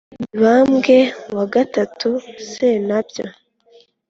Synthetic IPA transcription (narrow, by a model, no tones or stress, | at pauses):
iβamɡe̞waɡatatusenabjo